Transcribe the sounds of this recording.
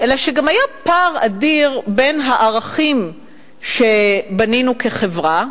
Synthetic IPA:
ʔe̞laʃeɡamajapaʁadiʁbe̞nɦaʔaʁaχim | ʃe̞baninuke̞χevʁa

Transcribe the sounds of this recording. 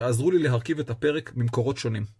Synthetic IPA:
azʁulileɦaʁkivet̪ape̞ʁekbimko̞ʁo̞t̪ʃo̞nim

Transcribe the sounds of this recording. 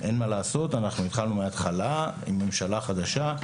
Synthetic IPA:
ʔe̞nmalaːso̞t̪anaχnuit̪χalnumeat̪χalaimːe̞mʃalaχad̪aʃa

